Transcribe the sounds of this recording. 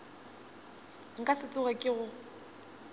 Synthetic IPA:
ŋ̩kʼasɪt͡sʼʊɣɛkʼɪɣʊ

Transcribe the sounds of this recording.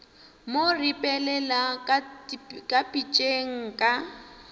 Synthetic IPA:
moripʼɛlɛla | kʼapʼit͡ʃʼeŋ̩kʼa

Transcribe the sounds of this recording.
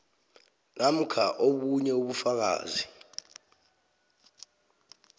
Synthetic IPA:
nam̩kʰaʔoɓuɲɛuɓufak̬a̰ːzi

